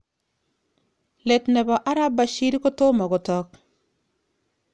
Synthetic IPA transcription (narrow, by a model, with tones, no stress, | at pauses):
lɛ˨tnɛ˨bɔ˨ʔa˦ɾa˦ba˨ʃi˦ɾi˦ko˦to˦ma˨ɡɔ˨tɔ˦k̚